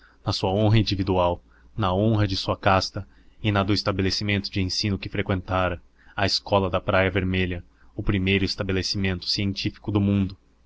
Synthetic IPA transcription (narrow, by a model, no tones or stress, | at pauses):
nɐsuɐõɦɐĩnd͡ʒivid̪uaw | nɐõɦɐd͡ʒɪsuɐkast̪ɐ | ɪnɐd̪ʊɪst̪abelesimẽnt̪ʊd͡ʒɪẽsĩnʊkɪfɾekwẽnt̪aɾɐ | ɐeskɔlɐd̪ɐpɾajɐveɾmeʎɐ | ʊpɾimejɾʊɪst̪abelesimẽnt̪ʊ̥siẽnt͡ʃifi̥kʊd̪ʊmũnd̪ʊ